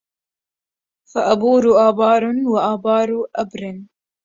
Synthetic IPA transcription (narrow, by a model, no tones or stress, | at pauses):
faʔabuːɾuʔɑːbɑːɾʊnwaʔɑːbɑːɾuʔabɾɪn